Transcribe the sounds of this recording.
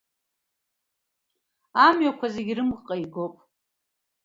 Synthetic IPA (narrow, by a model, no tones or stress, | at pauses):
amɥakʷʰazeɡʲirɨmqʼaiɡopʼ